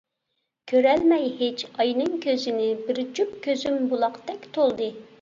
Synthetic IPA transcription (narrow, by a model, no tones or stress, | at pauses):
kʲʰøɾɛlmɛjhet͡ʃɑjnɨŋkʲʰøzɪnɪbɪɾd͡ʒup̚kʲøzymbulˠɑqd̪ɛkʲt̪ʰolˠd̪ɨ